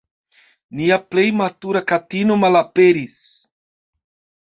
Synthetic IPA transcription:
niaplejmat̪uɾakat̪inʊmalapeɾis

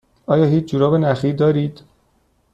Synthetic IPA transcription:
ɒːjɒːɦiːt͡ʃʰd͡ʒuːɾɒːbenæxiːd̪ɒːɾiːd̪̥

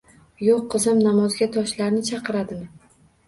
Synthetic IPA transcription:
joqːɨzɪmnamɒzɡʲat̪ʰɒʃlaɾnɪt͡ʃʰɑqʰɨɾad̪ɪma

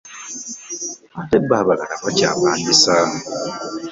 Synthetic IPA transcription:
atebaːβaɣaɾakaca̰ːpaːndisa

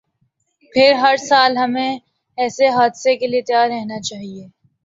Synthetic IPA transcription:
pʰɪɾɦɐɾsaːlɦɐmẽ | ɛːseɦaːd̪sekeliet̪jaːɾːɛɦnat͡ʃaːɦieː

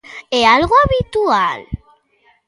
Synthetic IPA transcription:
ealɣoaβit̪ual

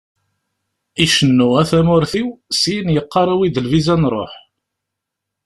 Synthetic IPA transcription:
iʃənːʊʁæθæmʊɾθiwsinjəqːɑɾˤæwiðəlvizænɾˤo̰ħ

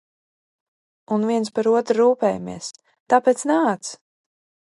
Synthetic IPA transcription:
unviɛnspaɾuɔt̪ɾɾuːpɛːjamḭɛs | t̪aːpɛt̪snaːt̪s

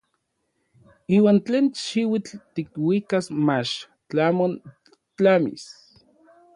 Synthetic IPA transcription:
iːwaːnt͡ɬeːnʃiwit͡ɬt̪ikwikasmat͡ʃ | t͡ɬamon | t͡ɬamḭs

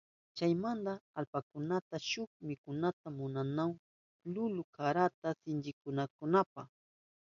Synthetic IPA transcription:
t͡ʃajmand̪aalpakʊnat̪aʃʊkmɪkʊnat̪amʊnanaw | lʊlʊkaɾat̪asɪnt͡ʃɪkʊnakʊnapaχ

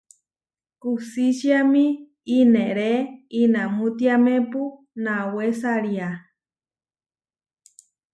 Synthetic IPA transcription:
kusisiami | ineɾeinamũt̪iamẽpu | nawesaɾia

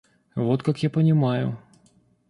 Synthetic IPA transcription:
vot̪kakjapənʲɪmajʊ̰

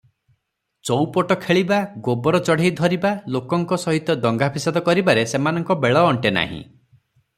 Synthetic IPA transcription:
t͡ʃɔwpɔʈɔkʰeɭibaɡobɔɾɔt͡ʃɔɽ̤ejd̪ʱɔɾibalokɔŋkɔsɔɦit̪ɔd̪ɔŋɡapʰisad̪ɔkɔɾibaɾesemanɔŋkɔbeɭɔːɳʈena̰ɦḭ̃

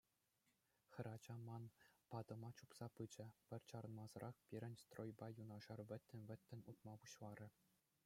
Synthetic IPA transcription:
xʲɘ̆ɾɑd͡ʑɑmɑnpɑd̪ɤ̆mɑt͡ɕupsɑpɯd͡ʑɘ̆pʲɘ̆rʲt͡ɕɑɾɤ̆nmɑzɤ̆ɾʔɑχpʲiɾʲɘ̆nʲst̪rojbɑjunɑʐɑrʋʲɘ̆t̪ʲːɘ̆nʲʋʲɘ̆t̪ʲːɘ̆nʲut̪̚mɑpuɕlˠɑɾʲɘ̆

